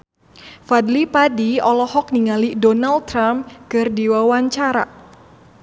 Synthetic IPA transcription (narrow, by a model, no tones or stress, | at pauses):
fadlipadiɔlɔhɔk̚niŋalidɔnalt̪ɾamkɨrdiwawaɲt͡ʃaɾa̰